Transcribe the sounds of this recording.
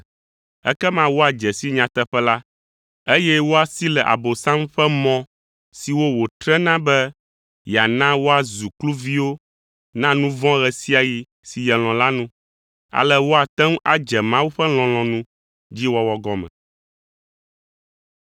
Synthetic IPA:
ɛ̰˦kɛ˦mã˦wo˦a˨d͡ʒɛ˨si˦ɲã˨t̪ɛ˦ɸɛ˦la˦ | e˦jɛ˦wo˦a˨si˦lɛ˨ʔa̰˨bo˨sã˦m˦ɸɛ˦mɔ̃˦ | si˨wo˦wo˨t̪ɾɛ˦nã˦bɛ˦ | ja˨nã˦wo˦a˨zu˨klu˦vi˦wo˦ | nã˦nũ˦vɔ̃˦ɣɛ˨si˦a˨ji˨ | si˨jɛ˨l̃ɔ̃˨la˦nũ˦ | a̰˨lɛ˦wo˦a˨t̪ɛ˦m˦a̰˨d͡ʒɛ˨mã˦wu˦ɸɛ˦l̃ɔ̃˨l̃ɔ̃˨nũ˦ | d͡ʑi˦wɔ˦wɔ˨ɡɔ˦mɛ̰̃˨

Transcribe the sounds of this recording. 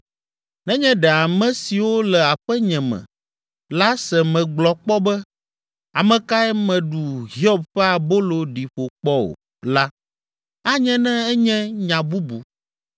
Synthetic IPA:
nɛ̃˦ɲɛ̃˦ɖɛ˨a˨mɛ̃˦si˨wo˦lɛ˨a˨ɸɛ˦ɲɛ̃˨mɛ̰̃˨ | la˦sɛ˨mɛ̃˨ɡ͡blɔ˨k͡pɔ˦bɛ˦ | a˨mɛ̃˨ka˦ɛ˦mɛ̃˨ɖu˨ɦi˦ɔ˦b̚ɸɛ˦a˨bo˦lo˨ɖi˨ɸo˨k͡pɔ˦o̰˨ | la˦ | a˦ɲɛ̃˦nɛ̃˦ɛ˦ɲɛ̃˦ɲã˨bu˦bu˨

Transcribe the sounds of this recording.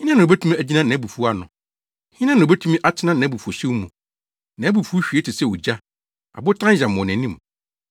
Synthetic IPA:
hɪ̃˦nã˦nʊ̃˨bæ˦tʰũ˦mĩ˦æ˨d͡ʑi˦nã˦nã˨˦bu˨fu˦a˦nʊ̰̃˨ | hɪ̃˦nã˦nʊ̃˨bæ˦tʰũ˦mĩ˦ʔa˨tʰɪ˦nã˦nã˨˦bu˨fu˨o˨ɕɪ˦mũ˨ | nã˨˦bu˨fu˦ɕᶣi˨e˦tʰɪ˨sɛ˦˨wo˨d͡ʑa˦ | a̰˨bʊ˦tʰã˦ɕã˨mʊ̃˨nɛ̃˨nĩ˦m˨

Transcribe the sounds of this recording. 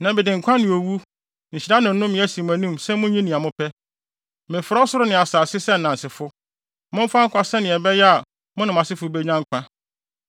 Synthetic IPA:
nã˨bɛ˨dɪ̃˨ŋ̩˨kʷʰã˦nɪ̃˨o˨wu˦ | ɲ̩˨ɕi˨a˦nɪ̃˨n̩˦nʊ̃˦mɪ̃˦æ˦si˨m˨æ˨nĩ˦msɛ˦mʊ̃˦ɲĩ˦nĩ˨a˨mʊ̃˦pʰɛ˦ | mɪ̃˨fʊ˨ɾa˦sʊ˦ɾʊ˦nɪ̃˨a˨saː˨sɪ˦sɛ˦n̩˨nã˨n̩˨sɪ˨fʊ˦ | mʊ̃˦m̩˦fa˦ŋ̩˦kʷa˨sɛ˦nɪ̃˨ɛ˨bɛ˦jɛ˦a˨ | mʊ̃˦nɪ̃˨mã˨sɪ˦fʊ˦be˦ɲã˦ŋ˦kʷʰã˦

